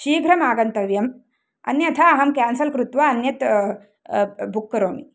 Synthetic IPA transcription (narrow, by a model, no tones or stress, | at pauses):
ʃiːɡʱɾɐmaːɡɐnt̪ɐʋjɐm | ɐ̰njɐt̪ʰɐɐɦɐmkæːnsɐlkɾut̪ʋaːnjɐt̪ | bʱukːɐɾoːmḭ